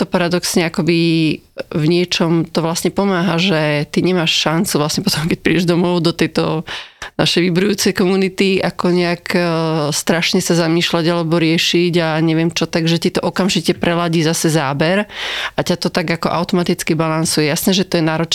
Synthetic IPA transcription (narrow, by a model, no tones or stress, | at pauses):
t̪ɔpaɾad̪ɔksɲɛakɔbi | vɲɪɛt͡ʃɔmt̪ɔʋlasɲɛpɔmaːɦaʒɛt̪iɲɛmaʃʃant͡suvlasɲɛpɔt̪ʰɔmkɛc̚pɾḭɟɛʒd̪ɔmɔʊd̪ɔt̪ɛjt̪ɔ̰na̰ʃɛjʋibɾujuːt͡sɛjkɔmunit̪iʔakɔɲɛakst̪ɾaʃɲɛsazamiːʃlaɟalɛbɔɾɪɛʃiɟaɲɛʋɛmt͡ʃɔt̪aɡʒɛcit̪ɔʔɔkamʒicɛpɾɛlaɟiːzasɛzaːbɛɾʔacat̪ɔt̪aɡakɔʔa̰ʊt̪ɔmat̪it͡skibalansujɛjasnɛːʒɛt̪ɔjɛnaːɾɔt͡ʃ